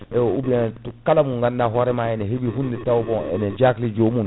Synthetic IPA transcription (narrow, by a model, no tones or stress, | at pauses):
ɛubiɛtukalamũŋɡandaɦɔɾɛmaɛnɛɦebiɦunditawubɔ̃ɛ̰nɛd͡ʒaklid͡ʒomũn